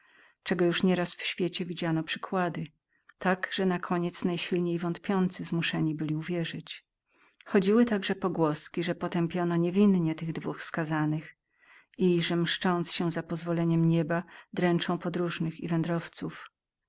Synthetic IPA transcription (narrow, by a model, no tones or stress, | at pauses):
t͡ʂɛɡɔjuʂɲɛɾasfɕfʲjet͡ɕɛvʲid͡ʑanɔpʂɘ̥kwad̪ɘ | t̪aɡʐ̥ɛnakʰɔɲɛt̪snajɕilɲejvɔnt̪̚pʲjɔnt̪sɘzmuʂɛɲibɘlʲiuvʲjɛʐɘt͡ɕ | xɔd͡ʑiwɘt̪aɡʐɛpɔɡwɔskʲiʐɛpɔt̪ɛmpʲjɔnɔɲevʲinɲɛt̪ɘɣd̪vuxskazanɘx | iʐɛmʂt͡ʂɔnt̪sɕɛzapɔzvɔlɛɲɛmɲɛbad̪ɾɛnt͡ʂɔ̃w̃pɔd̪ɾuʐnɘxivɛnd̪ɾɔft̪suf